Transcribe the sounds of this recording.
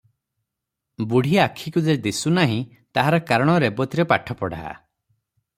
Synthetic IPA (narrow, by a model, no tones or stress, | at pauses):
buɽ̤ʱiakʰikud͡ʒed̪isunaɦĩ | t̪aɦaɾɔkaɾɔɽ̃ɔɾebɔt̪iɾepaʈʰɔpɔɽ̤a̰a̰